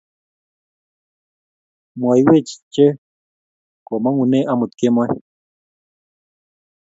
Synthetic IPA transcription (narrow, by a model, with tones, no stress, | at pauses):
mwa˨jwe˦t͡ʃi̥t͡ʃe˦ | ko˨ma˦ŋu˧ne˦ʔa˧mu˨t̪ke˦mwa˦